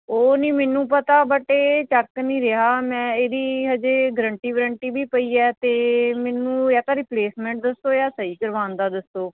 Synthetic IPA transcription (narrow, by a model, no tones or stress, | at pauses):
oːnĩːmɛːnːũːpət̪aːbəʈeːt͡ʃəkːnĩːɾeɦaːmɛ̃ːeːd̪iːɦəd͡ʒeːɡəɾəɳʈiːɡəɾəɳʈiːbiːpəiːɛːt̪eːmɛːnũːjaːt̪aːɾɪpleːsmɛ̃ːɳʈ̚d̪əsːoːjaːsəɦiːkəɾʋaːnd̪aːd̪əst̪oː